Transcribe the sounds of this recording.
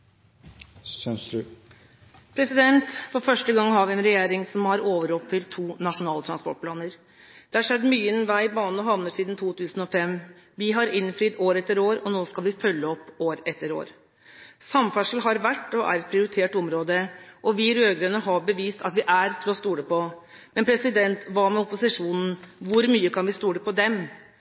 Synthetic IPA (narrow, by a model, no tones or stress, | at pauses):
pʰɾɛsɪd̪ɛnt̪fɔɾfœʂʈəɡɑŋːhɑɾʋɪɛnɾɛjeːɾɪŋsɔmhɑɾoːʋəɾɔpfɪlt̪ʰːuːnɑʂʊnɑːlət̪ʰɾɑnspɔ̰ʈ̚pʰlɑːnəɾ | d̪̥ɛhɑʂɛd̪ːmyːəɛnʋæɪbɑːnəɦɑʋnəʂiːd̪nt̪ʰuːt̪ʰʉːsn̩ɔfɛm | ʋɪɦɑɾɪnːfɾiːd̪oːɾɛt̪ːəɾoːɾɔnoːskɑlʋɪfœlːəɔpːoːɾɛt̪ːəɾo̰ːɾ | sɑmfæʂl̩ɦɑɾʋæʈːɔʔæ̰ɾɛt̪̚pʰɾɪʊɾɪt̪ʰeːʈɔmɾoːd̪əʔɔʋɪɾøːɡɾønəɦɑbəʋiːst̪ʰɑt̪ʋɪʔæɾt̪ʰɪlɔst̪uːɽəpʰɔ | mɛnpʰɾɛsɪd̪ɛnt̪ʋɑmɛʊpʊsɪʂuːnn̩ʋʊɾmyːəkʰɑnʋɪst̪uːɽəpɔd̪ɛm